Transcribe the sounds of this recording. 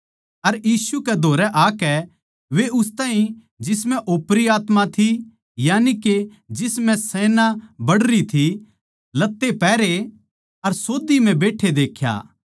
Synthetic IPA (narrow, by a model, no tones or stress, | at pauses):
ɐɾjiːsukɛd̪ʱoːɾɛʔaːkɛ | ʋeʊst̪aːɦĩ | d͡ʒɪsmɛ̃ʔoːpɾiaːt̪mat̪ʰi | jaːnike | d͡ʒɪsmɛ̃sɛːnabɐɽɾit̪ʰi | lɐt̪ːepɛːɾe | ɐɾsoːd̪im̤ɛ̃beːʈʰed̪eːkʰja̰ː